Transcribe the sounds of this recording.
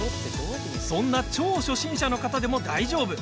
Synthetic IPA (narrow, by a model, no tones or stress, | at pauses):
sõ̞nːat͡ɕo̞ːɕo̞ɕĩɰ̃ɕano̞kat̪ad̪e̞mo̞d̪aiʑo̞ːbɯ̟